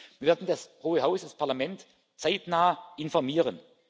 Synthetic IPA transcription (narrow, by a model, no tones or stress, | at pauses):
v̥iːɐvɪɐdn̩dashoːəɦaʊsdaspʰaɐlamɛnt | t͡saɪtnaːəʔɪnfɔɐmiːʁən